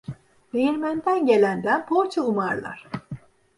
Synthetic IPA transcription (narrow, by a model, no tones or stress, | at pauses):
bejiɾmænd̪ænɟe̞lʲænd̪ænpʰoɾt͡ʃʰaumaɾlˠa̰ɾ̥